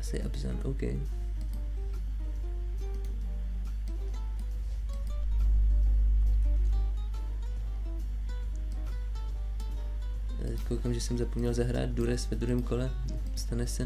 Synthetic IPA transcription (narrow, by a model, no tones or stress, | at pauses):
sɛ̰jʔa̰bsa̰ːnʔo̰wkɛ̰j | kowkaːmʒɛsɛmzapomɲɛlzaɦɾa̰ːd̪̚duɾɛsvɛd̪ɾuɦɛːmkolɛ | st̪anɛsɛ